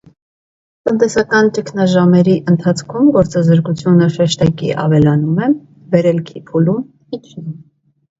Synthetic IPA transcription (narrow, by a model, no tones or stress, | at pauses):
t̪ənt̪ɛsɑkɑnt͡ʃəkʰnɑʒɑmɛɾiʔənt̪ʰɑt͡sʰkʰumɡɔɾt͡sɑzəɾkut͡sʰjunəʃɛʃt̪ɑkḭʔɑ̰vɛlɑnumɛ | bɛɾɛlkʰipʰulum